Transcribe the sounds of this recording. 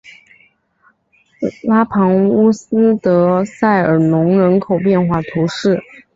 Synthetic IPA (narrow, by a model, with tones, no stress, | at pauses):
la˥pʰɑ˧˥ŋu˥s̩˥t̪ɤ˧˥sa˥˩ɪə˞˨˩nʊ˧˥ŋɻə˧˥nkʰo˨˩ʊpjɛ˥˧nxwa˥˩t̪ʰu˧˥ʂɻ̩˥˩